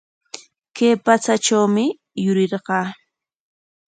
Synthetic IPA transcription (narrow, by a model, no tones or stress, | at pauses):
kejpat͡saʈ͡ʂawmɪ | jʊɾɪɾɢɑː